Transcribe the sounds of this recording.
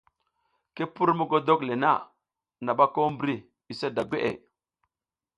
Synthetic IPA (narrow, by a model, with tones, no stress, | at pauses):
ki˦pu˦ɾmu˦ɡo˦do˦kle˨na̰˦˨ | na˨ɓa˦ko˦mbɾi˦ | i˨se˦da˨ɡʷe˦ʔḛ˨